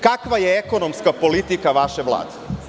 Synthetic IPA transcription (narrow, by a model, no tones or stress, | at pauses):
kakʋajeeko̞no̞mskapo̞lit̪ikaʋaʃe̞ʋlˠa̰ːd̪e